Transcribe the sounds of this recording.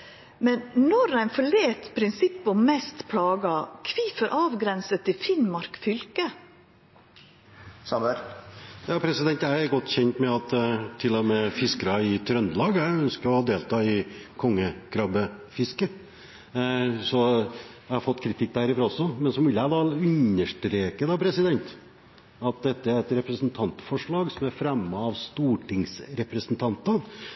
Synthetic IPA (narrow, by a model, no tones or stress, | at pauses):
mɛnnɔɾæɪnfɔɭeːt̪pʰɾɪnsɪpːɔmmɛst̪pʰlɑːɡɑkʰʋiːfəɾʔɑːʋɡɾɛnsət̪ʰːɪfɪnmɑɾkfʏlkə | sɑməɾjɑːpʰɾɛsɪd̪ɛnt̪jæɪɛɾɡɔt̪ːçɛnt̪mɛɑt̪t̪ʰːɪlːɔmɛfɪskəɾɑɪt̪ʰɾœnd̪əlɑːɡjæɪœnskəɾɔhɑd̪eːlt̪ʰɑːɪkʰɔŋːəɡ̥ɾɑbəfɪskə | sɔjæɪhɑɾfɔt̪ːkʰɾɪt̪ʰɪk̚ːd̪æɾɪfɾɑɔsːɔmɛnsɔmʋɪləæd̪ɑʉnəʂʈɾeːkəd̪ɑpʰɾɛsɪd̪ɛnt̪ | ɑt̪̚d̪ɛt̪ːəæɾɛt̪ɾɛpɾəsnt̪ʰɑnt̪fɔʂɭɑːɡsɔmæɾfɾɛmːɑɑʋst̪uːʈɪŋsɾɛpɾəsənt̪ʰɑnt̪ɑn